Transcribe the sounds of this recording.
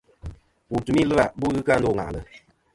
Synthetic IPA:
pu˨tu˨mi˦lɨ˦ɾa˨bu˦ɣɨ˦ka˦n̩˦do˦˨ŋa̰˨ʔlɨ̰˨

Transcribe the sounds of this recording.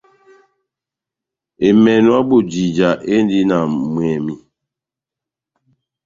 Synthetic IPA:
e˨mɛ˨nwa˦bu˦˨d͡ʒi˨d͡ʒa˨ʔe˦n˦di˦na˨mwɛ˨mi˦

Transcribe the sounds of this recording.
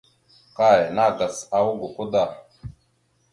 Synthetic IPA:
ka˦˨jna˦˨ɡa˨sa˨wu˦ɡo˨ku˦d̪a˨

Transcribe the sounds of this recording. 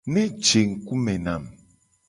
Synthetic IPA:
ne˦t͡ʃe˨ŋ̩˨ku˦me˨na˨m

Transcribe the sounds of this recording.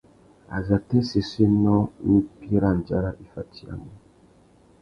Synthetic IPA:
a̰˨za˨tɛ˦se˨se˦nɔ̃˦ni˦pi˦ɾa˦n˨d͡ʒa˦ɾa˦ʔi˨fa˨tʰi˨˦a̰˦˨mɔ˨

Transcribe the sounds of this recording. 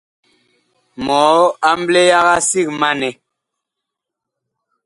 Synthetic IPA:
mɔ˨˦a˦m˦ble˦ja˦ɣa˦si˦˨k̚ma˦nɛ˨

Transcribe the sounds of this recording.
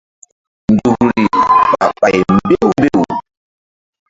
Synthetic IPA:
n˨d͡ʒu˨kɾi˨ɓa̰˨ɓa˨jm˦be˦wbe˦˨wu˨

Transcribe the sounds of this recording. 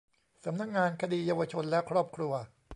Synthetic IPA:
sa˩˦mna˦˥k̚ŋaː˧nkʰa˧diː˧˩jaː˧wa˧t͡ɕʰo˧nlɛ˦˥kʰɾɔː˥˩p̚kʰɾu˧ɐ

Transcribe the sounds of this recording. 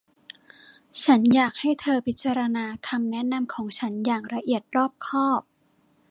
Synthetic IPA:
t͡ɕʰa˦˥njaː˨˩k̚ha˥˩jt̪ʰɤː˧pʰi˦˥t̪̚t͡ɕːa˧ɾa˧naː˧kʰa˧mnɛ˦˥na˧mkʰɔː˩˦ŋt͡ɕʰa˦˥njaː˨˩kɾa˧ʔi˨˩ət̪̚ɾɔː˥˩p̚kʰɔː˥˩p̚

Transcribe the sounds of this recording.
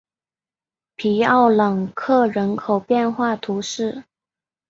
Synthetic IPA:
pʰi˧˥ɑ˥˩ʊlɤ˨˩ŋkʰɤ˥˩ɻə˧˥nkʰo˨˩ʊpjɛ˥˧nxwa˥˩t̪ʰu˧˥ʂɻ̩˥˩

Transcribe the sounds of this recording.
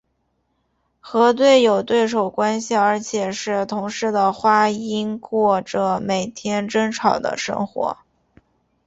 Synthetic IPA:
xɤ˧˥t̪̬we˥˩ɪjo˨˩ʊt̪we˥˩ɪʂ̬o˨˩ʊkwa˥nɕi˨˩ə˞˧˥t͡ɕʰjɛ˨˩ʂɻ̩˥˩t̪ʰʊ˧˥ŋʂɻ̩˥˧˥d̪ə˨xwa˥i˥nkwɔ˥˩ʈ͡ʂə˩me˨˩ɪt̪ʰjɛ˥nʈ͡ʂə˥ŋʈ͡ʂʰɑ˨˩ʊd̪ə̰˦ʂɤ̰˥ŋxwɔ̰˧˥

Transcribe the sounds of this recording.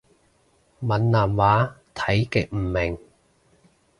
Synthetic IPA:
mɐ˨nlaː˨˩mwaː˨˥t̪ʰɐ˨˥jkɪ˨k̚m̩ː˨˩mɪ˨˩ŋ

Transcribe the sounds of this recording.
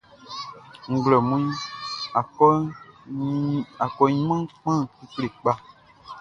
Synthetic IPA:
ŋ̩˨ɡlɔ˨mũ˦i˦a˨ɔ˦ | a˨kɔ˨ɲ˦mã˦k͡pã˦ki˦kle˨k͡pa˦

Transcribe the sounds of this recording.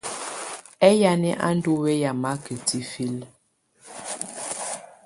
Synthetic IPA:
ɛ˦ja˦nɛ˦ʔa̰˦n˦du˦we˦ja˨ma˦kə˨ti˦fi˦l

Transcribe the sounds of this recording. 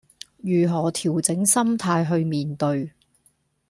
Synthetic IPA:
jyː˨˩ɦɔː˨˩t̪ʰiː˨˩wt͡sɪ˨˥ŋsɐ˥mt̪ʰaː˧jɦɵ˧ɥmiː˨nt̪ɵ˧ɥ

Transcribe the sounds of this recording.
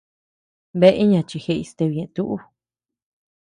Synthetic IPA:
βe˦ʔe˦ɲã˧t͡ʃi˧xe˧i˧st̪e˧βi˨ẽ˧t̪u˦ʔu˦

